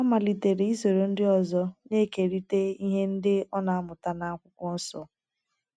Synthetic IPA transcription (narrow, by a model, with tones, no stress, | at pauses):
a˦ma˨li˨te˨ɾe˨i˦zo˨ɾo˨n̩˦dɪ˦ɔ˨zɔ˦ne˦ke˨ɾi˦te˦i˦ɦe˦n̩˦dɪ˦ɔ˦na˨a˦mʊ˨ta˦na˦a˦kʷʊ˦kʷɔ˦n̩˦sɔ˨